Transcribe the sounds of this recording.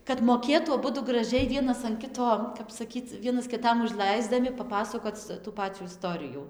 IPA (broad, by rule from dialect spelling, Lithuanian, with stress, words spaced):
kɐt moːˈkʲeːtuː ɐˈbʊdʊ ɡrɐˈʒʲɛɪ ˈʋʲiɛnɐs ɐn ˈkʲɪtoː kɐp sɐˈkʲiːt͡s ˈʋʲiɛnɐs kʲɪˈtɐm ʊʒˈlˠɐɪzdɐmʲɪ pɐˈpɑːsɐkoːt͡s tuː ˈpɑːt͡sʲuː ɪˈstoːrʲɪjuː